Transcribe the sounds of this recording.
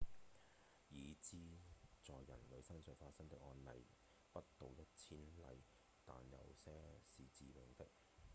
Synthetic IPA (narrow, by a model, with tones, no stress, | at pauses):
jiː˨˧t͡siː˥t͡sɔː˨jːɐ˨˩nlɵ˨˧sɐ˥ŋsœː˨˩ŋfaː˧t̚sɐ˥ŋt̪ɪ˥k̚ɔː˧nlɐ˨˩j | pɐ˥t̚t̪o˨wjɐ˥t̚t͡sʰiː˥nlɐ̰˨˧j | t̪a̰ː˨njɐ̰˨˩wsɛː˥siː˨t͡siː˨pɪ˨˩ŋt̪ɪ˥k̚